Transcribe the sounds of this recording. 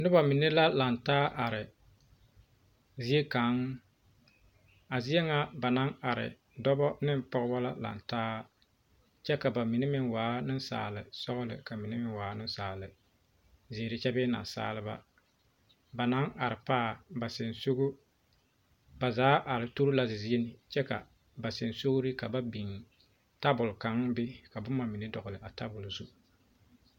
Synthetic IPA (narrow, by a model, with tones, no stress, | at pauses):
nʊ˦ba˨mɪ˨ne˦la˦la˨ntaː˦ʔa˨ɾɪ˨ | zɪ˦e˦ka˨˦ŋ | a˨zɪ˦ɛ˦ŋa˦ba˨na˦ŋa˨ɾɪ̰˨ | dɔ˦bɔ˦nɪ˦m˦pɔ˦ɣɪ˦bɔ˦la˦la̰˨ntaː˦ | t͡ʃɛ˦ka˨ba˨mɪ˨ne˦mɪ˦ŋwaː˨˦nɪ˦nsa̰ː˨lɪ̰˨sɔ˦ɣʊ˦lɪ̰˨ka˨mi˨ne˦mɪ˦nwaː˨˦nɪ˦n˦saː˨lɪ˨ | zɪ˨ɾɪ˨t͡ʃɛ˦bɛ˦na̰˨sa̰ː˦lɨ˦ba̰˦ | ba˨na˨˦ŋa˨ɾɪ˨paː˦ba˨sɪ˨nso˦ɣʊ˦ | ba˨zaː˨˦ʔa˨ɾɪ˨to˦ɾu˦la˦zɪ˨zɪ˦e˦nɪ˨t͡ʃɛ˦ka̰˨ | ba˨sɪ˨nso˦ɡʊ˦ɾɪ˦ka˨ba˦bi˨ŋ | ta˦bʊ˨lka˨˦ŋ˦bɪ˦ka˨bʊ˦mːa˨mɪ˨ne˦dɔ˨ɣʊ˨lɪ˨ʔa˨ta˦bʊ˨lzu˦